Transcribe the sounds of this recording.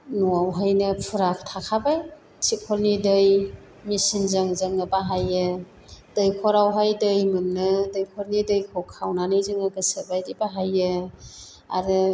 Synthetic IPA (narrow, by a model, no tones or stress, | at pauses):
nuawɦajnɯpʰuɾak̚ʰtʰakʰabaj | sikʰɔlnidɯj | misinzɯŋzɯŋɯbaɦajɯ | d̥ɯjkʰɔɾawɦajdɯjmɯnːɯdɯjkʰɔɾnidɯjkʰowkʰawnanɯjzɯŋɯɡɯsəbajdibaɦajɯ | a̰ɾɯ